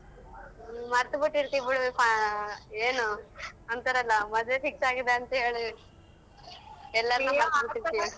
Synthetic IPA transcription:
mɐɾt̪ubuʈːiɾt̪ibuɽpa | eːnuɐnt̪ɐɾɐlːɐmɐd̪ʋefiksaːɡid̪eɐnt̪eɭu | ɛlːɐɾɐnːuːbɐɾt̪ɐɽt̪it̪ːi

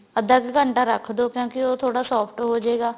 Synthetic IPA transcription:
əd̪əɡːəɳʈaːɾəkʰd̪oːkjõːkɪoːt̪ʰoːɽaːsɔːpʰʈɦoːd͡ʒeːɡaː

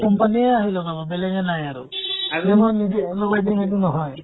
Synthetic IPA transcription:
kɔmpanieaɦilɔbababeleŋenajaɾṵd͡ʒɛmɔnid͡ʒeːnɔbajd̪init̪̬unɔɦɔj

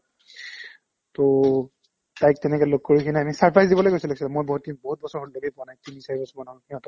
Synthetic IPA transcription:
to | tajk̚tɛnɛkɛlok̚kːoɹikʰiniamisaɹpʰɹajzdibɔlojkojsiloksilamojbɔɦut̚kʰinibɔɦut̚bɔsɔɹɦotloɡejpanajtimisajibɔsɔmanɔ̃kiɔ̃t̪ɔ

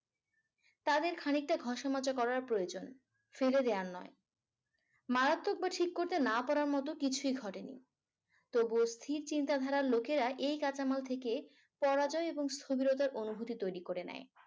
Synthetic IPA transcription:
t̪ad̪eɾkʰanik̚ʈaɡʱɔʃamat͡ɕakɔɾaɾpɾojod͡ʑon | feled̪eaɾnɔe | maɾat̪ːok̚baʈʰikːoɾt̪enapaɾaɾmɔt̪okit͡ɕʰujɡʱɔʈenḭ | t̪obost̪ʰiɾt͡ɕint̪ad̪ʱaɾaɾlokeɾaʔejkat͡ɕamalt̪ʰeke | pɔɾad͡ʑɔeeboŋst̪ʰobiɾot̪̬aɾʔonubʱut̪it̪ojɾikoɾenɛ̰e

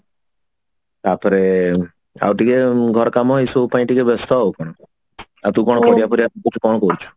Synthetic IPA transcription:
t̪apɔɾe | a̰wʈikeɡʱɔɾɔkamɔɦisowpaĩʈikebʱɔst̪ɔɦowkɔɽ̃ɔ | at̪ũkɔɽ̃ɔkɔɽijapɔɾiat̪ukɔt͡ʃʰu̥kɔɽ̃ɔkɔɾut͡ʃʰɔ̥

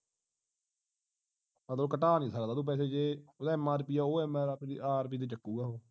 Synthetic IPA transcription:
mət̪ləbkəʈaːnĩːsəkd̪aːd̪uːp̬ɛːseːd͡ʒeːod̪aːɛmːaːɾpiːaːoːɛːmaːɾapːiʔaːɾp̬iːd̪̬eːt͡ʃəkːuːɡaːɦoː

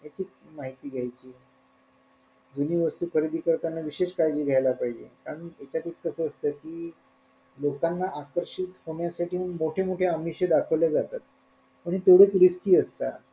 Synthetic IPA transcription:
jat͡ɕiːk̚maɦit̪iːɡʱjajt͡ɕiː | d͡z̪uniːʋəst̪uːkʰəɾid̪iːkəɾt̪anːaʋiɕeɕkajd͡ʑiːɡʱjajlapaɦid͡ʑḛkaɾənet͡ɕjat̪ekkːəsəːst̪əːkiː | lokanːaʔakəɾɕit̪hoɳ̃jasaʈʰiːmoʈʰemoʈʰeamiɕed̪akʰəʋljad͡zat̪at̪̚ | pəɳ̃it̪oɽet͡sɾiskiːəst̪a̰

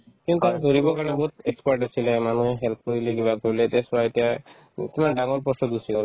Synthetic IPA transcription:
kintuamiɦoɹibɔkaɹnɛbɔɦut̪̚ekskwaɹʈasilɛmanuɦɛɦɛlp̚ʰkoɹileɡibakoɹilɛtɛsɔɹaetija | kimandaŋɔɹpɔsɔd̪usikɔl

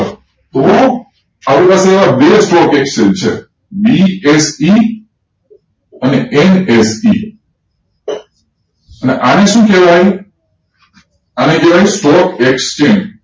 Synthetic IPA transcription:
t̪o | apɾipaseːʋabesʈɔkeksent͡ʃʰḛ | biesi | əneʔenesi | əneʔaneʃũkɛʋaj | anekɛʋajsʈɔkekst͡ʃeɳɖ

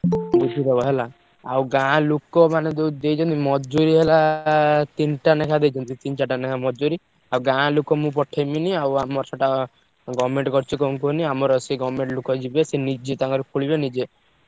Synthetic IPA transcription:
ut͡ʃʰid̪ebɔɦela | awɡãlukɔmaned̪ewd̪ejt͡ʃʰɔnt̪imɔd͡ʒuɾiɦela | t̪inʈanekʰad̪ejt͡ʃʰɔnt̪it̪int͡ʃaʈanekʰamɔd͡ʒuɾi | awɡãlukɔmũpɔʈʰejminiawamɔɾsɔʈa | ɡɔmeɳʈkɔɾt͡ʃʰikɔũŋkoniamɔɾɔsiɡɔmeɳʈlukɔd͡ʒibesenid͡ʒet̪aŋkɔɾekʰuɭibenid͡ʒe

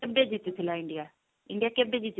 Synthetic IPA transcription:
ebed͡ʑit̪it̪ʰɪlaɪ̃ɳɖija | ɪ̃ɳɖijakebed͡ʑit̪

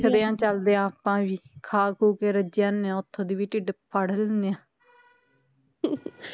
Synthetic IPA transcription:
kʰəd̪eːãːt͡ʃəld̪eːãːpãːʋiːkʰaːkuːkeːɾəd͡ʒaːnːeãːʊt̪ʰːõːd̪iːʋiːʈɪɖpʰəɽəlnd̪ejãː

